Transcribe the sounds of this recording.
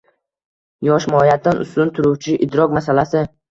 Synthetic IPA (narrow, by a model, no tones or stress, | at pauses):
jɒʃmɒjat̪ʰːanʊ̰st̪ʊnt̪ʰʊɾuwt͡ʃʰɪʔɪd̪ɾɒkmasalasɪ